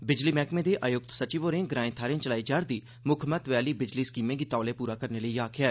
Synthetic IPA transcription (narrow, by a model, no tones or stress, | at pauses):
bɪd͡ʒliːmɛːkmẽd̪eʔaːjʊk̚t̪sət͡ʃiːʋoːɾẽːɡɾãːẽt̪ʰaːɾẽt͡ʃəlaːid͡ʒaːɾd̪iː | mʊkʰmət̪ʋaːliːbɪd͡ʒliːskiːmẽːɡit̪aːleːpuːɾaːkəɾneləiaːkʰɪjɛː